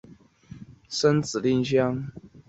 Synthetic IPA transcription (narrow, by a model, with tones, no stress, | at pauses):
sə˦nt͡sɹ̩˨˩li˥˧nɕjɑ˦˥ŋ